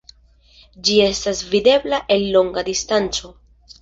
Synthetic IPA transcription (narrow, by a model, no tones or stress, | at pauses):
d͡ʒie̞stasvide̞blaʔe̞lːo̞ŋɡad̪istant͡so̞